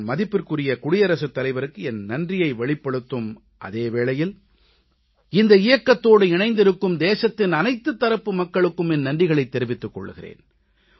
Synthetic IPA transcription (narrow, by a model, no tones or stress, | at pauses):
mɐðɪpːɯɾkɯrɪjɐkʊɽɪjɐɾɐsɯt̪ːɐlɐɪʋɐɾɯkːɯɛnnɐndrɪjɐɪʋɛɭɪpːɐɽɯt̪ːɯm | ʔɐ̰ðeːʋeːɭɐjɪl | ɪnd̪ɐɪjɐkːɐt̪ːoːɽɯɪɳɐɪnd̪ɪɾɯkːɯmd̪eːsɐt̪ːɪnɐnɐɪt̪ːɯt̪ːɐɾɐpːɯmɐkːɐɭɯkːɯmɛnnɐndrɪɣɐɭɐɪt̪ːɛɾɪʋɪt̪ːɯkːɔ̰ɭːɯɣɪrḛːn